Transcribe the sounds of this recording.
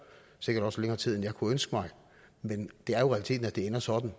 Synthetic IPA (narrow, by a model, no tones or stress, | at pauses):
se̝ɡ̥ɐɾ̥ɒ̽sleŋɐːt͡sʰið̰ˠenjɑ̈ɪkʰuønsɡ̥əmɑ̈ɪ | mend̥e̝æɐjo̝ʁɛælit͡sʰe̝̰ːd̥n̩æd̥e̝enɐsɒ̽d̥n̩